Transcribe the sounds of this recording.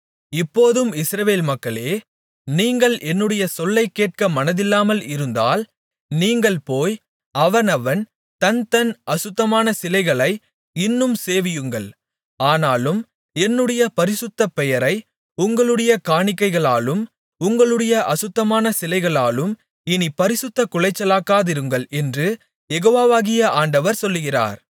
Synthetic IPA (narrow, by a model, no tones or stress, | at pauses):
ɪpːoːðɯmɪsɾɐʋeːlmɐkːɐɭeː | niːŋɡɐɭʔɛnːɯɽɐjɐsɔlːɐɪkːeːʈ̚kɐmɐnɐðɪlːaːmɐlɪɾɯnd̪aːl | niːŋɡɐɭpoːj | ɐʋɐnɐʋɐn | t̪ɐnt̪ɐnʔɐsʊt̪ːɐmaːnɐsɪlɐɪɣɐɭɐɪ | ɪnːɯmseːʋɪjɯŋɡɐɭ | aːnaːlɯm | ɛnːɯɽɐjɐpɐɾɪsɯt̪ːɐpɛjɐɾɐɪ | ʊŋɡɐɭɯɽɐjɐkaːɳɪkːɐɪɣɐɭaːlɯm | ʊŋɡɐɭɯɽɐjɐʔɐsɯt̪ːɐmaːnɐsɪlɐɪɣɐɭaːlɯm | ɪnipɐɾɪsɯt̪ːɐkʊɭɐɪt͡ʃːɐlaːkːaːðɪɾɯŋɡɐɭɛndrɯ | jɛɣoːʋaːʋaːɣɪjɐʔaːɳɖɐʋɐɾsɔlːɯɣɪra̰ːɾ